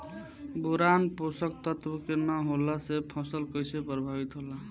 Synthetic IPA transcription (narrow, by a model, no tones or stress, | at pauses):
buɾanposək̚t̪ɔt̪bukenəɦolasepʰɔsəlkɔjsepɾəbʱabit̪ɦola